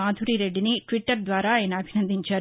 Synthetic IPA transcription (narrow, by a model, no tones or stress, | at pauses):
aːd̪ʱuɾiɾeɖːiniʈʋiʈːɐɾd̪ʋaːɾaːjnɐːbʱinɐnd̪iɲt͡ʃaː